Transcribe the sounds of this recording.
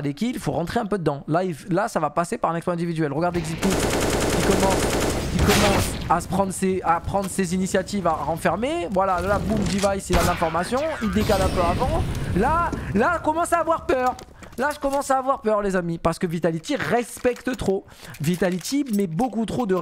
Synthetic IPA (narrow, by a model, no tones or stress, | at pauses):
lekʲiilfoʁɑ̃t̪χeɛ̃pød̪əd̪ɑ̃lailasavapasepaʁɛ̃nɛkspɔ̃ɛ̃d̪ivid̪ɥɛlʁəɡaʁd̪ekzilt̪ukʲikɔmɑ̃sikɔmɑ̃sasə̥pχɑ̃d̪ʁəseapχɑ̃d̪ʁsezinisjat̪ivaʁɑ̃fɛʁmevwalalabumd̪ivajsilalɛ̃fɔʁmasjɔ̃ild̪ekalɛ̃pøavɑ̃lalaʒəkɔmɑ̃saːvwaʁpœːʁ | laʒə̥kɔmɑ̃saːvwaʁpœʁlezamipaʁsə̥kəvit̪alit̪iʁɛspɛkt̪ət̪χo | vit̪alit̪ʰimɛbokut̪χod̪ə